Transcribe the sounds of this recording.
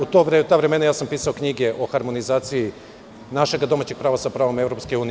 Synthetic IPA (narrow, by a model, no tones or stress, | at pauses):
ut̪oɾet̪aːʋɾeme̞najaːsampiːsao̞kɲiɡe̞ʔo̞xaɾmo̞nizaːt̪siji | naʃe̞ɡad̪o̞maːt͡ɕeɡ̚pɾaːʋasapɾaːʋo̞me̞vɾo̞pskeuːni